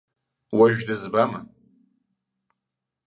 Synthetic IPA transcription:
waʒᶣdɨzbama

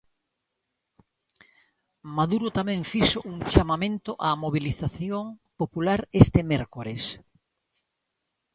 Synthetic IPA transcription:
maðuɾot̪amɛ̃ŋfiʃoʔuŋt͡ʃamamẽnt̪oʔamoβiliθaθjoŋpopulaɾest̪emɛɾkoɾes

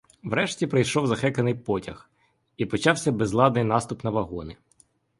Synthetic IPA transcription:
wɾɛʃtʲipɾɪjʃɔwzɐxɛkɐnɪjpɔtʲɐx | ipɔt͡ʃɑwsʲɐbezlˠɑd̪nɪjnɑst̪ʊpnɐʋɐɦɔnɪ

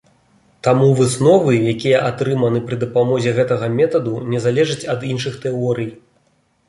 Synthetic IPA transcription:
t̪amuvɨsnɔvɨjakʲijɐʔat̪ɾɨmɐnɨpɾɨd̪ɐpamɔzʲɛɣɛt̪ɐɣɐmʲɛt̪ɐd̪unʲɛzalʲɛʐɨt͡sʲɐd̪inʂɨxt̪ɛɔɾɨj

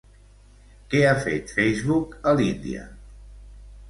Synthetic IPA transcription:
kɛafet̪fejzβukəlind̪ḭə̰

